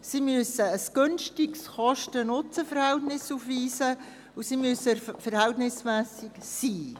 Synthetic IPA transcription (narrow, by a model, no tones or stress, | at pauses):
simyəsəəsɡ̥ønʃtɪksχɑʃtənʊt͡səfəɾhɛltnɪsuːfʋiːsə | usimyəsəfəɾhɛltnɪsmæːsɪksiː